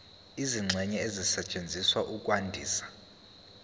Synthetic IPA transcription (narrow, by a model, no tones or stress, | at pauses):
iziŋ͡ǀʱɛɲɛezisɛt͡ʃʼend͡zʱiswaʔukʼwandʱiːsḁ